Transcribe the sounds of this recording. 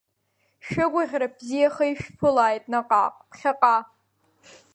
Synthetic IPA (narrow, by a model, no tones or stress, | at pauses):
ʃᶣaɡʷʊʁʲrabzijaχəjʃᶣpʰɨlaːjtʼnaqʼa̰ːqʼpʰχʲaqʼa